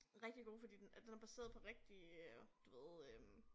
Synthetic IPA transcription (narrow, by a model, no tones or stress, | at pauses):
ʁɛɡ̥̚d̥iɡ̥o̝̰ːfɒ̽d̥ḭːd̥nd̥enæɐb̥æse̝̰ːɐðˠpʰɒ̽ʁeɡ̥̚d̥id̥uʋe̝ð̩ˠøm